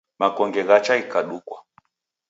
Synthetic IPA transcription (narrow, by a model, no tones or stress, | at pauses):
makɔŋɡɛɣat͡ʃaikaɗukwa